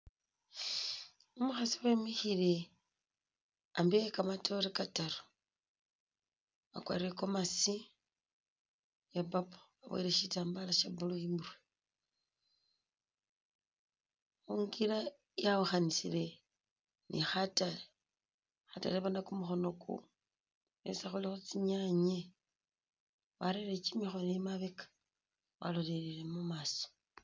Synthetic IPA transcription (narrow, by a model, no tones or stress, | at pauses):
omuxasiwemixiɾe | ambiekamatʰoɾekataɾo̥ | a̰kwa̰ɾiekomasi | japapo̥aβa̰iɾeʃitaːmbalaʃabuluimurwe | uŋɡila | jauxanisile̞ | nʔḭxatale | xata̰leβanakumuxo̞no̞kʰṵ | ḛsaxulixut͡siɲaɲe | βaɾelet͡ʃimixonemaβekḁ | wa̰lole̞ɾile̞mumaso̥